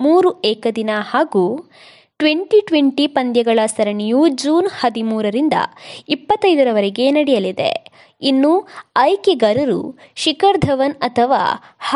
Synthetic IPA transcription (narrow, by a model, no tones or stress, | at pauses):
muːɾuɛːkɐd̪inɐhaːɡuː | ʈʋeɳʈiʈʋeɳʈipɐnd̪jɐɡɐɭɐsɐɾɐɳijud͡ʒuːnhɐd̪imuːɾɐɾind̪ɐ̰ipːɐt̪ːɐjd̪ɐɾɐʋɐɾɛɡe̞nɐɽɛjɐlid̪ḛ | inːuɐjkeɡɐɾɐɾṵʃikɐɾd̪ʱɐʋɐnɐt̪ʰɐʋa̰ːh